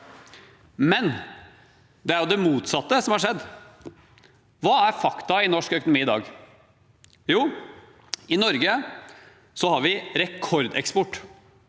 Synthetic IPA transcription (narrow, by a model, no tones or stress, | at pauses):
mɛn | d̪ɛæɾjʊd̪ɛmuːt̪sɑt̪ːəsɔmhɑɾʂɛd̪ː | ʋɑːæɾfɑkt̪ɑɪnɔʂkœkʊnʊmiːɪd̪ɑ̰ːɡ | juː | ɪnɔɾɡə | sɔhɑɾʋɪɾɛkʰɔɾd̪ɛ̰kspɔʈː